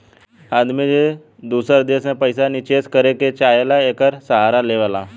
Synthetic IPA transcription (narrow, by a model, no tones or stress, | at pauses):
ad̪mid͡ʑe | d̪usəɾd̪esnẽpəjsanit͡ɕeskəɾeket͡ɕajelaekəɾsəɦaɾaleʋala